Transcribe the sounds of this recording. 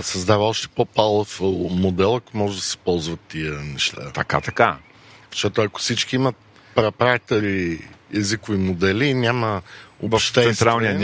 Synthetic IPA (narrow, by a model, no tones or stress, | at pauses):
sɐzd̪avəɔʃt̪ɛ̥popalˠofmod̪ɛlˠɐkomɔʒɛd̪ɐsɛ̥pɔlˠzvɐt̪ːiənɛʃt̪a̰t̪ɐka̰t̪ɐka | fʃt͡ʃt̪ɔt̪oɐko̥fsit͡ʃk̟iimɐt̪̚ | pɾɛpɾak̚t̪oɾiɛzikʊvimod̪ɛlinʲaməovʃtt̪ɛsɛnt̪ɾalˠniənʲ